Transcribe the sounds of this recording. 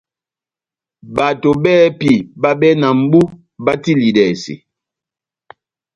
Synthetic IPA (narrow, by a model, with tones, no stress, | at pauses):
ba˨to˨bɛː˦pi˨ba˦bɛ˦na˨m̩˦bu˦ | ba˦ti˦li˨dɛ˨sḭ˨